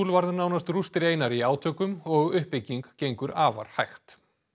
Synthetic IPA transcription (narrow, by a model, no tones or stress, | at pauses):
uːlvaɾðnaːwnast̪rust̪ɪɾeːjnaɾiaːwt̪ʰœːkʏmɔɣʏhpːɪcːiŋkcejŋkʏɾaːva̰ɾ̥hajxt̪